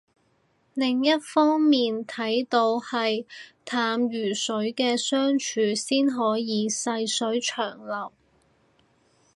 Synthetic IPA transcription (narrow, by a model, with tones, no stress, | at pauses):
lɪ˨ŋjɐ˥t̚fɔː˥ŋmiː˨nt̪ʰɐ˨˥jt̪o˧whɐ˨jt̪ʰaː˨˧mjyː˨˩sɵ˨˥ɥkɛː˧sœː˥ŋt͡ʃʰyː˨˥siː˥nɦɔː˨˥jiː˨˧sɐ˧jsɵ˨˥ɥt͡ʃʰœː˨˩ŋlɐ˨˩w